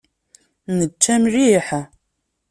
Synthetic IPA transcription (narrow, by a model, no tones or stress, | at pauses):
nət͡ʃːæmriħ